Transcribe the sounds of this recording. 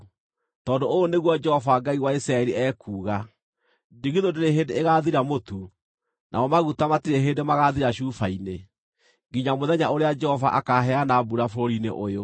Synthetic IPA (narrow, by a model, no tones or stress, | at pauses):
tɔːdooneɣwɔd͡ʒɛhɔvaɡaiwaisɾaɛɾiʔɛːkʰuːɣa | diɣiðodeɾeɦeːndeːɣaðiɾamotu | nʔa̰ɔmaɣutamatiɾeɦeːndemaɣaðiɾaʃuːfaine | ɡiɲamoðɛɲaoɾead͡ʒɛhɔva̰ʔakaɦɛanabuɾafoɾoɾinḛʔojo